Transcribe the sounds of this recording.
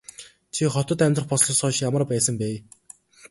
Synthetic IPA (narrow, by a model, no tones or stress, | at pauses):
t͡ɕʰiχɔt̪ɞ̆t̪æmʲt̪rə̆χpɔsɮɞ̆sɔːʃjamə̆rpæːsə̆mpæː